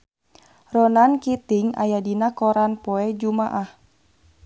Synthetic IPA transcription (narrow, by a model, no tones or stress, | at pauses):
rɔnankit̪iŋa̰jadinakoɾanpɔɛd͡ʒumaʔah